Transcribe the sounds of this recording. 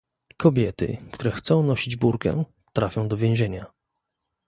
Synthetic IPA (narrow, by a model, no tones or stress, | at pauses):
kɔbʲjɛt̪ɘ̰kt̪uɾɛxt̪sɔ̃w̃nɔɕid͡ʑbuɾkɛ̰̃ | t̪ɾafʲjɔ̃w̃d̪ɔvʲjɛ̃ʑeɲa